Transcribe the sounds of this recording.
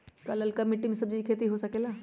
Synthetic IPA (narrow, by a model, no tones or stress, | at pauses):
kaːləlkamɪʈːimẽsɐb̚d͡ʒikʰeːt̪̬iɦosɐkeːlaː